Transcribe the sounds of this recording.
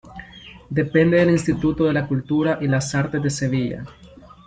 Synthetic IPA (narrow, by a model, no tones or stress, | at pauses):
d̪epend̪eðelinst̪it̪ut̪oðelakult̪uɾaʔilasaɾt̪ezðeseβiʎa̰